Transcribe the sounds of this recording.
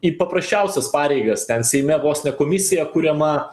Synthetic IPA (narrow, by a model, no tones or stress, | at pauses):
ipɐpɾɐsʲt͡ʃʲɛʊsʲɛspɑːɾʲɛɪɡɐst̪ʲɛnsʲɛɪmʲɛʋoːsʲnʲɛkoːmʲɪsʲɪjɛkuːɾʲɛmɐ